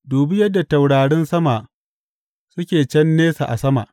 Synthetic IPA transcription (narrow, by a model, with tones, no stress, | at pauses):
duː˨bɪ˦jɐ˦dːa˨ta˨wɽaː˨ɽɪ˦nsɐ˦ma˨ʔ | sʊ˦kʲeː˨t͡ʃɛ˦nːeː˦sa̰˨ʔa˨sɐ˦ma̰ː˨ʔ